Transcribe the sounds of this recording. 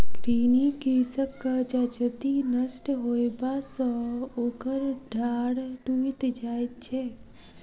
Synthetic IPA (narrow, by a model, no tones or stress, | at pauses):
kɾiːnikisəkːəd͡ʒad͡ʒət̪inəsʈɦojbasɔokəɾɖʱaɽʈuit̪d͡ʒaːjt͡ʃʰe